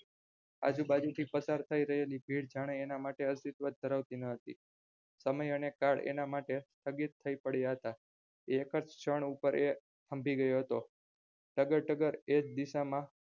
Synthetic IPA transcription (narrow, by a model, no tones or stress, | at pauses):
a̰d͡ʒubad͡ʒut̪ʰipəsaɾt̪ʰaiɾəɦelibʱiɽd͡ʒaɽ̃eenamaʈeəst̪it̪ʋəd̪̚d̪ʱəɾaʋt̪inəɦət̪ḭ | səməjənekaɽḛnamaʈest̪ʰəɡit̪ʰːəipəɽjaɦət̪a | eːkəɾt͡ʃt͡ʃʰəɳ̃upəɾe | t̪ʰəmbʱiɡəjoɦət̪o | ʈəɡəɾʈəɡəɾed͡ʒd̪iʃamã